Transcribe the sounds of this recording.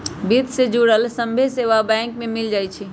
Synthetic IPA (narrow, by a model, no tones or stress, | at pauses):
bit̪sed͡ʒuɽəlsə̃mbʱeseʋabɛ̃ŋkmẽmɪld͡ʒaːit͡ʃʰi